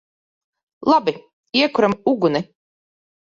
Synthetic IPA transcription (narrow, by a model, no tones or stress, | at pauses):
lˠabi | iɛkuɾamuɡuni